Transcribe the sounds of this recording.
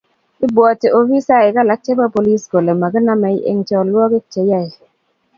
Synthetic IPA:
i˦bɔ˨te˨o˨wi˦sa˦˨ɪ˨ka˦la˨˦k̚t͡ʃe˦pa˦po˨li˦sɡo˨le˨ma˨ɡɪ˦na˦ma˨i˦ʔḛ˦ŋt͡ʃɔ˦˨lwɔ˦kɪ˦t͡ʃe˨ja˦˨i˨

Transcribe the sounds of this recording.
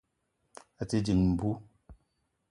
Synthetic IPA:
a˨ti˦d͡ʒi˨ŋm̩˨bu˦

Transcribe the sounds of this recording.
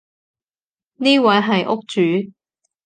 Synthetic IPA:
niː˥wɐ˨˥jɦɐ˨jʔʊ˥k̚t͡ʃyː˨˦

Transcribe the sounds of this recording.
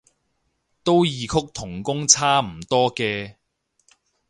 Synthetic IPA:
t̪o˥wjiː˨˧kʰʊ˥k̚t̪ʰʊ˨˩ŋkʊ˥ŋt͡sʰaː˥m̩˨˩t̪ɔː˥kɛː˧

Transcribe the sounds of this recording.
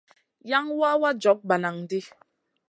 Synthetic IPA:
ja˦ŋwa˦wa˦d͡ʒɔ˨˦k̚ba˨na˨ŋdi˦

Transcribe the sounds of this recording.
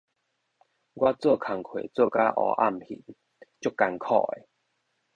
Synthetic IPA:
ɡwa˦˥t͡sə˥˧˨kʰa˨˧˩ŋkʰwḛ˨t͡sə˥˧˨ka˦ʔɔ̰˧˦ʔa̰˥˧˨mhḭ˨˩˦n | t͡ɕjo˥˦kːa˧nkʰɔ̰˥˧˩ḛ˨˦

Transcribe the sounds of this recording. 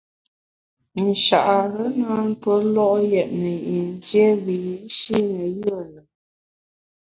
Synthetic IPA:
n̩˨ʃa̰˨ʔa˨ɾə˦naː˦n̩˦twə˦lɔ˦ʔjɛ˨ʔnə˨i˨n˦zjɛ˦βi˨i˦ʃi˦nə˨jə˦˨lə˨

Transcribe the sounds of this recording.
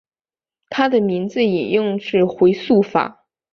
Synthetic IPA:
t̪ʰa˥d̪ə˨mi˧˥nd͡zɹ̩˧i˨˩njʊ˥˧ŋʂɻ̩˥˩xwe˧˥ɪsu˥˩fa̰˨˩˦

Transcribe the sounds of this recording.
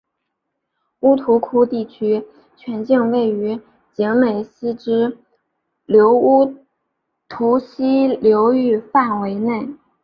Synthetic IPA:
u˥t̪ʰu˧˥kʰu˥t̪i˥˩t͡ɕʰy˥ | t͡ɕʰɥɛ˧˥nt͡ɕi˥˧ŋwe˥˩ɪy˧˥ | t͡ɕɛ˧˥ŋme˨˩ɪɕi˥ʈ͡ʂɻ̩˥ | ljo˧˥ʊu˥ | t̪ʰu˧˥ɕi˥ljo˧˥ʊy˥˧fa˥˩nwe˧˥ɪne˥˩ɪ

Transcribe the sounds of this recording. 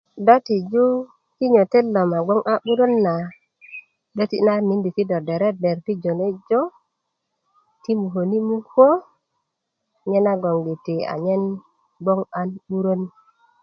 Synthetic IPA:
da˦ti˨d͡ʒu˦ | ki˦ɲo˨te˦lːo˨ma˨ɡo˦ŋʔa˦ɓu˦ɾo˦nːa˨ | do˦ti˦na˦ni˨˦ndi˨ti˦do˨de˨ɾe˦be˨ɾti˦d͡ʒo˨ne˦d͡ʒo˦ | ti˦mu˨ɦo˨ni˦mu˦nko˦ | ɲe˦na˦ɡo˨ŋɡi˨ti˨a̰˨ɲe˦n | ɡ͡bo˦ŋa˦nɓu˦ɾo˦n

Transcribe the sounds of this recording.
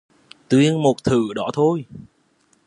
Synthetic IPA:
t̪wi˧ənmo˨˩t̚t̪ʰɨ̰˧˩ɗɔ˧˥t̪ʰo˧j

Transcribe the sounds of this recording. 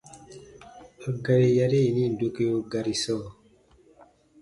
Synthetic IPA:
a˨ɡa˧ɾi˨ja˧ɾe˦˨i˨ni˦˨n˨do˦ke˦jo˦ɡa˨ɾi˨sɔː˦˨

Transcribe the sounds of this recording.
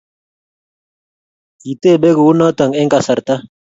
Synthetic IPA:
ki˨t̪e˦˨be˦ɡə˨u˦nɔ˦t̪a˨ŋe˦ŋka˨sa˨ɾt̪a˦

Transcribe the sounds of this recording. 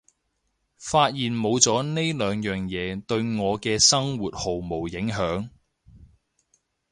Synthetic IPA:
faː˧t̚jiː˨nmo˨˧wt͡sɔː˨˥ne˥jlœː˨˧ŋjœː˨˩ŋjɛː˨˧t̪ɵ˧ɥŋɔː˨˧kɛː˧sɐ˥ŋwuː˨t̚ho˨wmo˨˩wjɪ˨˥ŋɦœː˨˥ŋ

